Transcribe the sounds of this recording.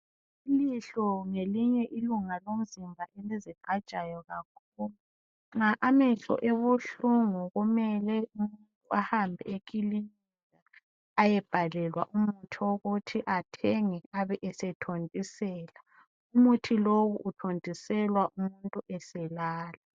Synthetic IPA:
iliɬɔŋeliɲɛʔiluŋalom̩zimbʱaʔeliziǃḁt͡ʃʼajɔɣakʰuːlu | ŋaʔamɛɬɔ̰ʔeβuɬuŋuɣumɛlɛumuntʼuahambʱɛ̰ekʼilini | a | ajɛb̥ʱalɛlwaʔumutʰioɣutʰiʔatʰɛŋɛaβɛʔɛsɛtʰontʼisɛːla | umutʰiloɣuʔːtʰondʱʼisɛlwaʔumuntʼuʔɛsɛlaːla

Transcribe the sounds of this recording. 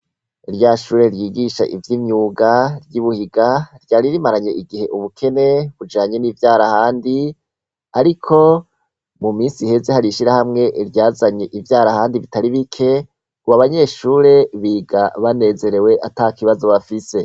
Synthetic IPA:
iɾjaʃuːɾe̞ɾjiːɡiʃa̰ʔḭvjimɲuːɡaɾjiβuhiɡaɾjaːɾiɾimaɾaɲe̞ʔiɡihe̞ʔuβukʰe̞ne̞βud͡ʒaːɲe̞niːvjaːɾahaːndi | aɾikʰo̞ | mumiːnsihe̞ze̞haɾiʃiɾahamŋe̞ʔɾjaːzaɲe̞ʔivjaːɾahaːndiβitaɾiβikʰe̞ | kuβaβaɲe̞ʃuːɾe̞βiɡaβane̞ːze̞ɾe̞we̞ʔatakiβazo̞βafise̞

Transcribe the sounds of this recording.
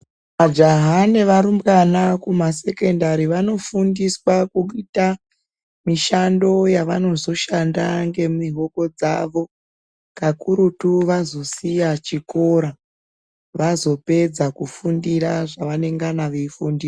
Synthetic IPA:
ʋad͡ʒaɦaneʋaɾumbɡanakumase̞ke̞ndaɾiʋano̞fundiswakuita | miʃando̞jaʋano̞zo̞ʃandaŋɡe̞miɦoko̞d͡zaʋo̞ | kakuɾutuʋazo̞sijat͡ʃiko̞ɾa | ʋazo̞pe̞d͡zakufundiɾaʐaʋane̞ŋɡanaʋeifundiːs

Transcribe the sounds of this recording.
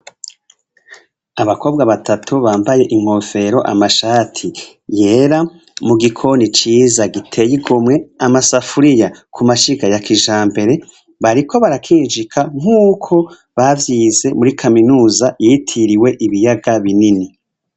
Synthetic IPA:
aβako̞ːbɡaβatʰatʰuβaːmbaje̞ʔiŋ̥ho̞fe̞ɾo̞ʔa̰maʃaːtʰi | je̞ːɾa | muɡikʰo̞nit͡ʃiːzaɡitʰe̞jiɡomŋe̞amasafuɾijakʰumaʃiɡajakʰiʒaːmbe̞ɾe̞ | βaɾikʰo̞βaɾakʰiːnʒikʰaŋ̥uːkʰo̞ | βavjiːze̞muɾikʰaminuːzajitʰiɾiwe̞ʔiβijaɡaβinini

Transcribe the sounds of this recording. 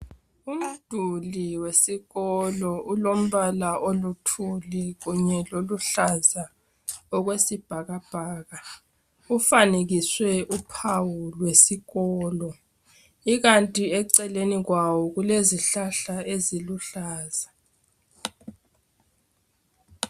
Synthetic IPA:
um̩d̥ʱuliwesiɣɔlɔulom̩βalaʔolutʰulɛɣuɲɛloluɬaza | ɔɣwesib̥ʱaɣab̥ʱaːɣa | ufaneɣiswɛʔupʰawulwesiɣɔːlɔ | iɣantʼiɛǀɛleniɣwawɔɣuleziɬaɬaeziluɬaːza

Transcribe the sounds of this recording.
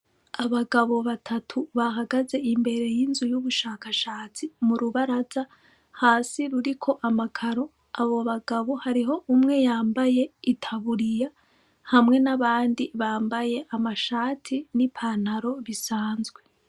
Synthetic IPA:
aβaɡaβo̞βatʰatʰuβaɦaɡaze̞imbe̞ɾe̞jinzujuβuʃaːkaʃaːt͡simuɾuβaɾaza | haːsiɾuɾikʰo̞ʔamakʰaɾo̞ | aβo̞βaɡaβo̞haɾiɦo̞ʔumŋe̞jaːmbaje̞itʰaβuɾija | hamŋe̞naβaːndiβaːmbaje̞ʔamaʃaːtʰinipʰan̥haɾo̞βisaːnzɡwe̞

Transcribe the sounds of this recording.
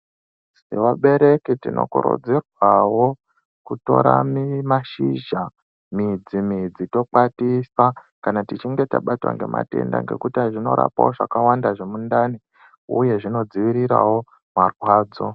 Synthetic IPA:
sewaɓe̞ɾe̞kitino̞̰kuɾo̰d͡zirwawo̞ | kuto̞ɾamimaʃiʒa | mid͡zimid͡zito̞k͡patisa | kanatit͡ʃiŋɡe̞taɓatwa̰ŋɡe̞mʔa̰te̞̰nda̰ŋɡe̞̰kutiaʐino̞̰ɾa̰pa̰wo̞ʐakawandaʐe̞mundani | ṵje̞ʐinod͡ziʋiɾiɾa̰wo̞ | marwaːd͡zo

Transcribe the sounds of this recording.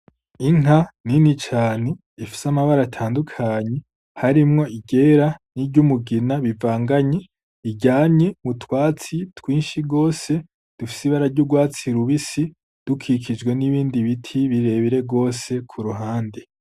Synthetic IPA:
iŋ̥aninit͡ʃaːne | ifi̥samaβaɾatʰaːndukʰaɲe | haɾimŋo̞iɟe̞ːɾaniɾɟumuɡinaβivaːŋɡaɲe | iɟaːɲɲe̞mutwaːt͡sitwiːnʃiɡo̞ːse̞ | d̥ufi̥siβaɾaɾɟuɡwaːt͡siɾuβisi | d̥ukʰikʰid͡ʒɡwe̞niβiːndiβitʰiβiɾe̞βiɾe̞ɡo̞ːse̞kʰuɾuɦaːnde

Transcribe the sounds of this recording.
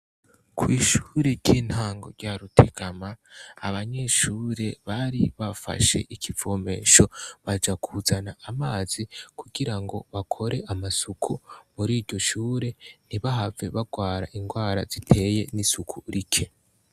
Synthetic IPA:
kʰwiːʃuːɾe̞ɾɟiːn̥haːŋɡo̞̰ɾɟaɾutʰe̞ɡ̥amaa̰βaɲe̞ːʃuːɾe̞βaɾiβafa̰ʃe̞̰ʔikʰivo̞me̞ːʃo̞βad͡ʒakʰuzanaːmaːz̥ikuɡiɾaŋɡo̞βakʰo̞ɾe̞ʔamasukʰumuɾiːɾɟo̞ʃuːɾe̞n̥iβaɦave̞βaɡwaːɾa̰ʔiŋɡwaːɾazitʰe̞ːje̞nisukʰuɾikʰe̞

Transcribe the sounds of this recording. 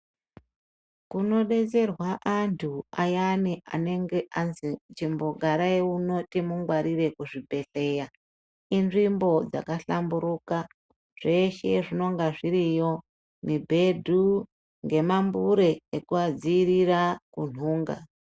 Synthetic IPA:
kuno̞ɗe̞t͡se̞rwaʔantʰuajaniʔa̰ne̞ŋɡe̞ʔanzit͡ʃimbo̞ɡʱaɾaeuno̞timuŋɡwaɾiɾe̞kuʐibʱe̞ɬe̞ja | inʐimbo̞d͡za̰kaɬambuɾuka | ʐ̥e̞ʃe̞ʐino̞ŋɡaʐiɾijo̞ | mibʱe̞dʱu | ŋɡe̞mambuɾe̞ːkuad͡ziːɾirakun̤uːŋɡa̰

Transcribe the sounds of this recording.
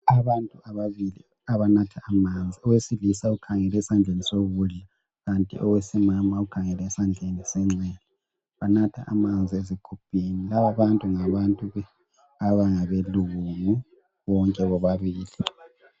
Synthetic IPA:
aβantʼuaβaβilḭ | aβanatʰaːmand͡zʱiɔwesilisaukʰaŋɛlɛsand͡ɮʱenisoβuɮa | ɣantʼḭʔɔwesimamaukʰaŋɛlɛːsand͡ɮʱenisɛŋ͡ǀɛːlɔ | βanatʰa̰a̰mand͡zʱiezikʰupʰʼinilaβaβantʼuŋaβantʼuɛ | aβaŋaβeluɣuŋu | βɔŋkʼɛβɔβaβiːli

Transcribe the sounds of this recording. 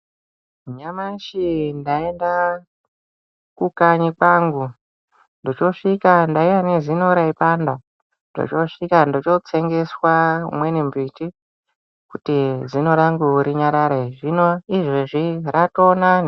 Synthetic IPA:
ɲamaʃindaenda | kukaɲikaŋɡu | ndot͡ʃo̞ʂikandaiwanezino̞ɾaipanda | ndo̰t͡ʃo̞ʂikandot͡ʃo̞t͡se̞ŋɡe̞swamwenimbiti | kutizino̞ɾaŋɡuɾiɲaɾaɾaiʐinoiʐeʐiratonani

